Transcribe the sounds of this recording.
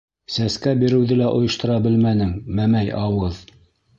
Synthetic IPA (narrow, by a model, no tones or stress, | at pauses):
sæskæbiɾɘ̆wðɘlæʔŏjɤ̆ʃt̪ŏɾɑbɘlmænɘŋmæmæjʔɑwɤð